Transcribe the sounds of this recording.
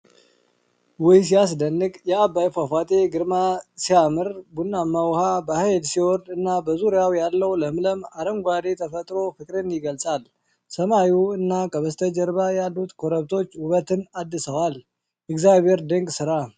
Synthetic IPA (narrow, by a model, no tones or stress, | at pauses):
wɔjs̬ijasd̪ənːɨkʼjɛabːajfafat̪ʼe̞ɡɨɾmasiamɨɾbunːamːawhabəhajlsiwɔɾd̪ɨnːabəzuɾjawjalːəwləmləmaɾəmɡʷad̪e̞t̪ʰəfət̪ʼɾo̞fɨkʼɾɨnjɪɡəlsʼal | səmauɨnːakʼəβəst̪ʰəd͡ʒəɾbajalːut̪kʰoɾəβt̪ʰo̞t͡ʃːuβət̪ɨnad̪ːɨsəwal | ɪɡzjabʱe̞ɾd̪əŋɡʼsɨɾa